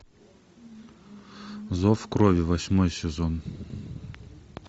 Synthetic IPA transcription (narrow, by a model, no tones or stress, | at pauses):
zɔfkɾɔvʲɪvɐsʲmɔjsʲɪzɔn